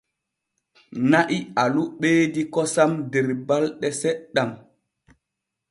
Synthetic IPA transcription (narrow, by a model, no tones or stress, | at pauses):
naʔialuɓeːdikɔsamdɛɾbalɗɛsɛɗːam